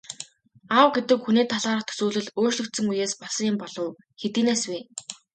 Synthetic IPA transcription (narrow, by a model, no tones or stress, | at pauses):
awɡet̪ɘ̆kxuniːt̪ʰaɮaːɾə̆χt̪ʰɵ̥suːɮɘ̆ɮoːrt͡ɕɮɵ̆kt̪sɘ̆ŋujeːspasə̆ŋjɪmpɔɮ̥ɞ̆w | xet̪iːneːsweː